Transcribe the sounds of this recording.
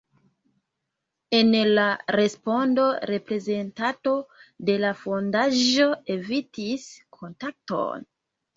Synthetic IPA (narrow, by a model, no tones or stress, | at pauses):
e̞nlaɾe̞spo̞ndo̞ɾe̞pɾe̞ze̞ntato̞de̞lafo̞ndaʒo̞e̞vitiskʰo̞ntak̚to̞̰n